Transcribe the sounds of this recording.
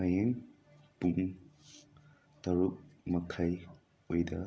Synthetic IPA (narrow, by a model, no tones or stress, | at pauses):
ɐjeŋ | puŋ | tɐɾuk̚mɐkʰɐj | ojdɐ